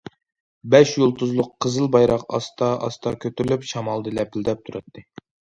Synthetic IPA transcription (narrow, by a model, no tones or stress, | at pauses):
bɛʃjulˠt̪ʰuzlˠʊqʰːəzɨlˠbɑjɾɑqɑ̰st̪ʰɑʔɑ̰st̪ɑkʲʰøt̪yɾylypʃɑmɑlˠd̪ɨlɛpɪld̪ɛp̚t̪ʰuɾɑt̪ʰːɨ